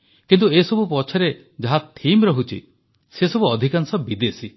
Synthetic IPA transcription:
kint̪uesɔbupɔt͡ʃʰɔɾe | d͡ʒaɦat̪ʰimɾɔɦut͡ʃʰḭ | sesɔbuɔd̪ʱikansɔbid̪esi

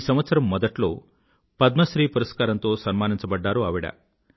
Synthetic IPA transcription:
sɐmʋɐt̪sɐɾɐmːɔd̪ɐʈlo̞̰ː | pɐd̪̚mɐʃɾiːpuɾɐskaːɾɐnt̪o̞ːsɐnmaːniɲt͡ʃɐbɐɖːaːɾuɐʋiɽɐ̰

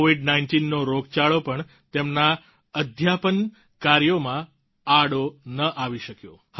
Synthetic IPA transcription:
oʋiɖnainʈinːoɾoɡt͡ʃaɭopəɳ | t̪emna | əd̪ʱjapən | kaɾjomã | aɽonəʔaʋiʃəkjo | h

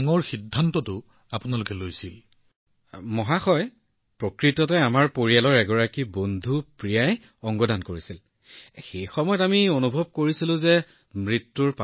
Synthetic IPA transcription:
ŋɔɹxidʱːantɔtʊ | apʊnalʊkɛlojsil | mɔɦaxɔj | pɹokɹitɔtɛamaɹpoɹialɔɹɛɡɔɹakibondʱupɹijaj | ɔŋɡɔdankoɹisil | xejxɔmɔjɔtamionubʱɔb̚koɹisilʊ̃zɛ | mɹitːuɹpa

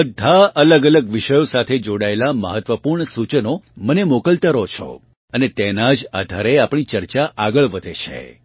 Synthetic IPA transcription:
bəd̪ʱːaʔələɡələɡʋiʃəjosat̪ʰed͡ʒoɽaelaməɦət̪ʋəpuɾɳəsut͡ʃənomənemokəlt̪əɾot͡ʃʰɔ̰ | ənet̪enad͡ʒa̰d̪ʱaɾeapɳ̃it͡ʃəɾt͡ʃaʔaɡəɭʋəd̪ʱet͡ʃʰḛ

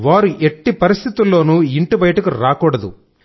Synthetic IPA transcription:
ʋaːɾuʔeʈːipɐɾist̪ʰit̪ulːo̞ːnuiɳʈubɐjɐʈɐkuɾaːkuːɽɐd̪ṵ

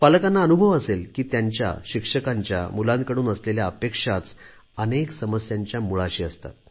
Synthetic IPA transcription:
paləkanːaənubʱəʋəselkiːt̪jaɲt͡ɕja̰ɕikʂəkaɲt͡ɕja̰mulãnkəɽuːnəsleljaəpekʂat͡s | əneksəməsjaɲt͡ɕjamuɭaɕiːəst̪a̰t̪

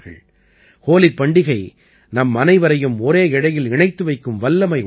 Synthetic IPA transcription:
ɣɐ̰ɭ | koːlɪpːɐɳɖɪɣɐɪ | nɐmːɐnɐɪʋɐɾɐjɯmɔɾeːɪɽɐjɪlɪɳɐɪt̪ːɯʋɐɪkːɯmʋɐlːɐmɐɪ

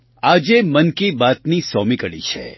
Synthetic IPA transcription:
ad͡ʒemənkibat̪nisɔmikəɭḭt͡ʃʰḛ

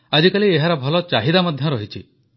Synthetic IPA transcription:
ad͡ʒikalieɦaɾɔbʱɔlɔt͡ʃaɦid̪amad̪ʱjɔɾɔɦit͡ʃʰi

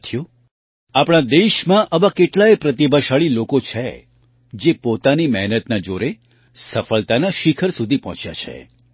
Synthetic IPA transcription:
t̪ʰjo | apɽ̃ad̪eʃmãʔəʋãkeʈlaepɾət̪ibʱaʃaɭilokot͡ʃʰe | d͡ʒepot̪animɛɦnət̪nad͡ʒoɾe | səfəlt̪anaʃikʰəɾsud̪ʱipɔɦɔ̃t͡ʃja̰t͡ʃʰḛ

